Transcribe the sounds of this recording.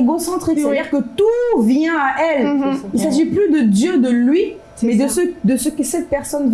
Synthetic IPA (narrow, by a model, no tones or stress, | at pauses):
ɡosɑ̃t̪χiksd̪iʁkət̪uvjɛ̃aʔɛlilsaʒiplyd̪əd̪jød̪əlɥi | mɛd̪əsəd̪əsəkəsɛt̪̚pɛʁsɔn